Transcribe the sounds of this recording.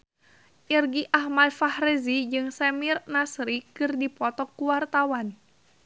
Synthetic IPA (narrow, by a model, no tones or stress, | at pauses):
ʔirɡiʔahmadfahɾezid͡ʒɨŋsɛmirnasɾikɨrdipɔt̪ɔkːuwart̪awan